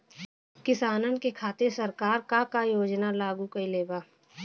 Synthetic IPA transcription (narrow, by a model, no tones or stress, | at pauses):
kɪsaːnənkekʰaːt̪esɐɾkaːɾkakajoːd͡ʒnalaːɡukɐileːbaː